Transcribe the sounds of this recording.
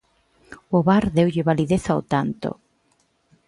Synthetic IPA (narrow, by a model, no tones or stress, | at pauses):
ʊβaɾðewʎɪβaliðeθawt̪ant̪o̰